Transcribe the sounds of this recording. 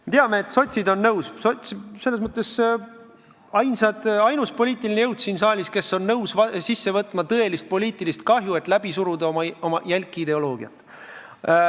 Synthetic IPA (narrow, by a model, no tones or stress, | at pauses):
et̪eɑmeet̪so̞t̪ʲsid̪o̞nːɤwssot̪ʲsise̞lːes̬mɤt̪ːˑe̞s | ɑjnsɑd̪̥ɑjnuspo̞lʲiːt̪ːˑilinejɤwd̪̥siːnsɑːlʲiske̞sːo̞nːɤwsvɑsisːe̞vɤt̪ːˑmɑt̪ɤe̞list̪̚po̞lʲiːt̪ːˑilist̪̚kɑɦjue̞t̪ˑlæb̥isuɾud̪ɑomɑo̞mɑjælʲkːˑid̪e̞o̞lo̞ːɡ̥iɑ̰t̪ːˑ